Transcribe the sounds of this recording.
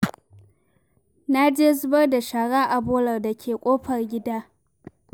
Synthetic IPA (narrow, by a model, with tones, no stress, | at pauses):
na˦d͡ʒeː˦zʊ˦bɐ˦rda˨ʃa˨ɽaː˦ʔa˨boː˦lɐ˨rda˨kʲʰeː˨kʷʼoː˦ɸɐ˨rɡʲɪ˦daː˦